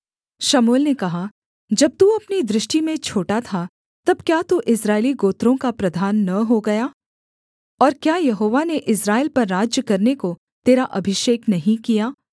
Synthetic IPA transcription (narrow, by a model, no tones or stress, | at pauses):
ʃamoːlnekɐɦa | d͡ʒɐb̚t̪uɐpnid̪ɾɪʃʈimẽt͡ʃʰoːʈat̪ʰa | t̪ɐb̚kjat̪uʔɪsɾaːɪliɡoːt̪ɾõkapɾɐd̪ʱaːnːɐɦoɡɐjaː | ɔːɾkjaːjɐɦoːʋaneʔɪsɾaːelpɐɾːaːd͡ʒjəkɐɾneko | t̪eːɾaʔɐbʱɪʃeːknɐɦĩkijaː